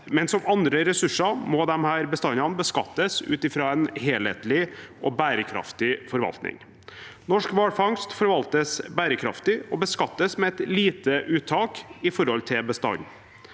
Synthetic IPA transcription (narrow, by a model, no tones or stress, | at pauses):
mɛnsɔmɑnd̪ɾəɾɛsʉʂɑmɔd̪ɛmhæːɾbəst̪ɑnɑnbəskɑ̰t̪ːəsʉ̰ːt̪ɪfɾɑːɛnheːlhḛːt̪lɪʔɔbæːɾəkʰɾɑ̰ft̪ɪfɔɾʋɑ̰lt̪nɪ̰ŋ | nɔʂkʋɑːɽfɑŋst̪fɔɾʋɑlt̪əsbæːɾəkʰɾɑ̰ft̪ɪɔbəskɑt̪ːəsmɛɛt̪liːt̪əʔʉːt̪ʰːɑːkɪfɔɾhɔlt̪ʰɪlbəst̪ɑ̰ɲ